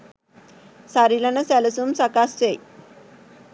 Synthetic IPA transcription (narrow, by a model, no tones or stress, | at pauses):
saɾilanəsɛləsumsakast͡sej